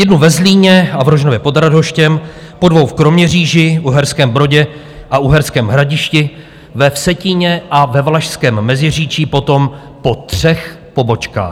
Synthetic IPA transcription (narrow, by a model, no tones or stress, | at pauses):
jɛdnuvɛzliːɲɛavɾoʒnovjɛpo̞d̪ɾado̞ʃcɛm | po̞dvo̞wfkɾomɲɛriːʒɪʔuɦɛɾskɛːmbɾo̞ɟɛ | ʔaʔuɦɛɾskɛːmɦɾaɟɪʃcɪ | vɛfsɛcɪɲɛʔavɛvlaʃskɛːmːɛzɪr̝iːt͡ʃiːpo̞t̪o̞m | po̞t̪r̝̥ɛx | po̞bo̞t͡ʃka̰ːx